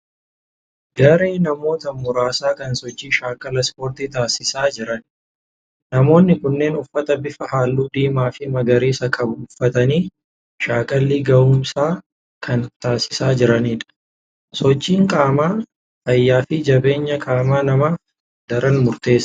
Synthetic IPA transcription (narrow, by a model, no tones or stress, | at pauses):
ɡɐɾeːnɐmo̞ːt̪ɐmʊɾaːsaːkɐnsɔt͡ʃːiːʃaːkʼɐlɐspoːɾt̪iːt̪aːsɪsaːd͡ʒɪɾɐn | nɐmo̞ːnːɪkʊnːe̞ːnʊfːɐt̪ɐbɪfɐɦaːlːuːd̪iːmaːfɪmɐɡɐɾeːsɐkʰɐbuuːfːɐt̪ɐniː | ʃaːkʼɐlːiːɡɐuːmsaː | kʰɐnt̪aːsɪ̥saːd͡ʒɪɾɐniːᶑɐ̥ | sɔt͡ʃːiːŋkʼaːmaː | t̪ɐjːaːfɪd͡ʒɐbe̞ːɲːɐkʼaːmaːnɐma | d̪ɐɾʔɐnmʊɾt̪e̞ːs